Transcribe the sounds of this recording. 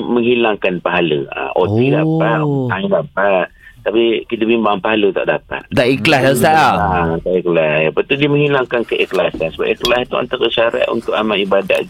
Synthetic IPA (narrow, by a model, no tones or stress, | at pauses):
məŋɦilaŋkanpaɦaləa̰ʔot̪iɡapaailapat̪̚t̪apikit̪əpimbaŋpaɦalət̪a̰ʔdapa̰t̪̚t̪aʔiklahdasaʔaat̪aʔiklaapat̪udiəməŋɦilaŋkankəʔiklasansəba̰piklasit̪ua̰nt̪aɾəʃaɾa̰ʔ̪ṵnt̪ʊkamaʔibada̰ʔ